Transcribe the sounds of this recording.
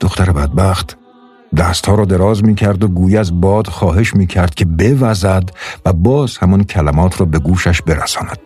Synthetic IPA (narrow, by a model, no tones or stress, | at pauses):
d̪̥oxt̪æɾebæd̪̚bæxt̪ʰ | d̪æːst̪hɒːɾɒːd̪e̞ɾɒːzmiːcʰæɾd̪oɡuːjæzbɒːd̪xɒːɦe̞ʃmiːcʰæɾd̪̥̚kʲʰe̞be̞væzæd̪væbɒːz̥hæmɒncʲʰælæmɒːt̪ʰrɒːbe̞ɡuːʃæʃbe̞ɾæ̰sɒːnæd̪̥